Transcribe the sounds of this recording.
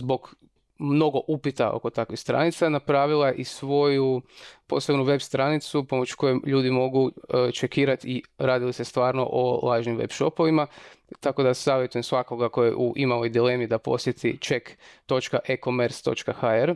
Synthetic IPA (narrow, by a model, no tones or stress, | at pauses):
zbo̞ɡ | mno̞ɡo̞ʔupit̪a̰ʔo̞̰ko̞t̪akʋixst̪ɾa̰nit̪sanapɾaːʋilˠaʔisʋo̞jupo̞̰sebnuʋe̞bst̪ɾanit̪supo̞mot͡ʃko̞jeʎuːd̪imo̞ɡut͡ʃekiːɾat̪iɾaːd̪ilise̞st̪ʋaːɾno̞̰ʔo̰lˠaːʒnimʋḛpʃo̞po̞ʋimat̪ako̞d̪asaːʋʲjet̪ujemsʋako̞ɡakojḛʔuʔimalo̞jd̪ile̞mid̪apo̞̰sjet̪ʰit͡ʃekt̪o̞t͡ʃkaʔekomeɾst̪o̞̰t͡ʃkaxaeɾ